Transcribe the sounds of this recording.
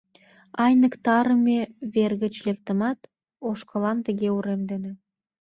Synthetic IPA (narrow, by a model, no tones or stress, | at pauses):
ɑjnə̆kt̪ɑɾəmeβerɣə̆t͡ɕlek̚t̪ə̆mɑt̪ | oʃkə̆lɑmt̪əɣeuɾemd̪enĕ